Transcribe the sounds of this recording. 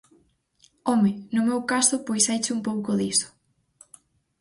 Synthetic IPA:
ɔmɪnʊmewkasʊpojsajt͡ʃɪumpowkʊðisʊ̥

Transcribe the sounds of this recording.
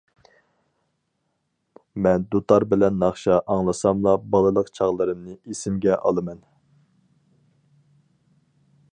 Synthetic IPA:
mɛnd̪ut̪ʰɑɾbɪlɛnːɑχʃɑʔɑŋlˠɨsɑmlˠɑbɑlˠɨlˠəqt͡ʃʰɑʁlˠɨɾɨmnɨʔesɪmɡʲɛʔɑ̰lˠɨmɛn

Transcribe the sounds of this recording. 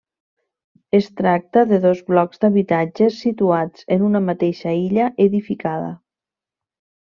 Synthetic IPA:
əst̪ɾak̚t̪əðəðozβlɔkzd̪aβit̪ad͡ʒəsːit̪uad͡zənunamat̪eʃaiʎaʔeðifikaðə̰

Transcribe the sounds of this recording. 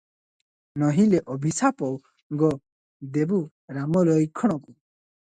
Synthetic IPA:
nɔɦileʔɔbʱisapɔw | ɡɔ | d̪ebu | ɾamɔlɔjkʰːɔɽ̃ɔku

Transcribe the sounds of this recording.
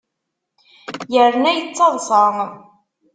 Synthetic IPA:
jəɾnæjət͡sːɑðˤsˤɑ

